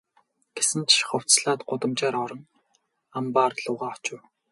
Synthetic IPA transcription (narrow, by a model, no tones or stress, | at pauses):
ɡ̥esɘ̆nt̪ʃχʊw̥t͡sɮaːt̪ɢʊt̪ə̆mt͡ɕaːɾɔɾɞ̆n | ampaːrɮʊːʁaːɔt͡ɕɪ̆w